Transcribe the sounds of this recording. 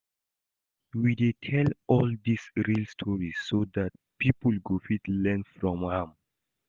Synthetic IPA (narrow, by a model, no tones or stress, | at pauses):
widetʰɛlɔldisɹilstʰɔɹisːodat̚ | pʰipəlɡofitlɛ̃nfɹɔ̃mãm